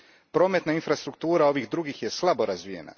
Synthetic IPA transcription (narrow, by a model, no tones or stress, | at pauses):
pɾo̞ːme̞t̪nainfɾast̪ɾukt̪uːɾao̞ʋiːɣd̪ɾuɡixje̞slˠabo̞ɾazʋijḛna̰